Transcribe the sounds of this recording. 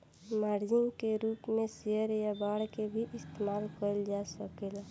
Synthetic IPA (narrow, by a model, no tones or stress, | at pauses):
maɾd͡ʒɪŋkeɾuːpmẽseəɾjabaːɽkebʱiʔɪst̪emaːlkəld͡ʒasəkela